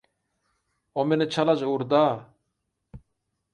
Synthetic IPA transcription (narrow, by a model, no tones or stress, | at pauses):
omenet͡ʃʰalad͡ʒuɾd̪aː